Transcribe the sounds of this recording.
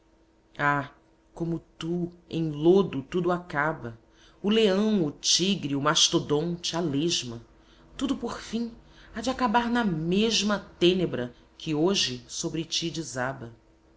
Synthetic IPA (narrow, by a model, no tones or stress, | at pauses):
a | kõmʊt̪uḛ̃j̃lod̪ʊt̪ud̪ʊakabɐ | ʊleɐ̃w̃ʊt͡ʃiɡɾiʊmaʃt̪od̪õnt͡ʃɪaleʒmɐ | t̪ud̪ʊpoɾfĩad͡ʒɪakabaɾnɐmeʒmɐt̪ẽnebɾɐ | kʰɪoʒɪsobɾɪt͡ʃid͡ʒizabɐ